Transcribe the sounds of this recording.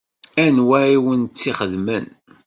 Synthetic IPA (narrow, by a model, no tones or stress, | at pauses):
ænwæʕiwənt͡sːiχəðmən